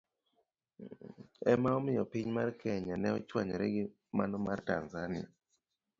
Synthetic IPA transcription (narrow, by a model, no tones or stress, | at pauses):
ɛ̰maɔmɪjɔpɪɲmarkʰɛɲanɛɔt͡ʃwaɲɔɾɛɡɪ | ma̰nɔmartanzanɪja